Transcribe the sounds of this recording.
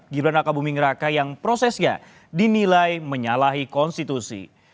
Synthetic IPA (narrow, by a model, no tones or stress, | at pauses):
ɡiɾanakabumiŋəɾakajaŋpɾosɛsɲa̰ | dinilajməɲalaɦikɔnst̪it̪usḭ